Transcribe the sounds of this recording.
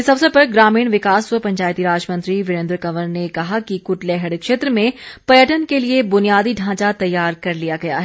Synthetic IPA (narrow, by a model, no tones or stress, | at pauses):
ɪsɐbsepɐɾɡɾaːmiːɽ̃ʋɪkaːsʋəpɐ̃ɲt͡ʃaːjt̪iɾaːd͡ʒmɐ̃nt̪ɾiʋɪɾẽnd̪ɾkɐʋəɾnekɐɦakikʊʈleːɦəɽkʃeːt̪ɾəmẽpɐjəʈənkeliebʊnijaːd̪iɖʱãːt͡ʃat̪ɐjːaːɾkɐɾlijaɡɐja̰ɦɛ